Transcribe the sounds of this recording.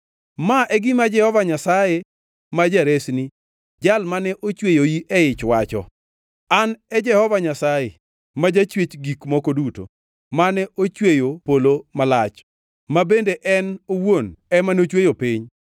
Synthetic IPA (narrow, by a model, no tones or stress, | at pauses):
maʔɛɡɪmad͡ʒɛhɔvaɲasaje | mad͡ʒaɾesni | d͡ʒalmanɛʔot͡ʃwejoiʔɛɪt͡ʃwat͡ʃɔ̰ | anɛd͡ʒɛhɔvaɲasaje | mad͡ʒat͡ʃwet͡ʃɡikmɔkoduto̰ | manɛʔot͡ʃwejopolomalat͡ʃ | mabendeʔɛnowonɛmanot͡ʃwejopiɲ